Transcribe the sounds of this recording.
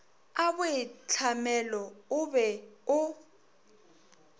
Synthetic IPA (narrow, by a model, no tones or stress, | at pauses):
abʊɪt͡ɬʰamɛlɔʊbɛʊ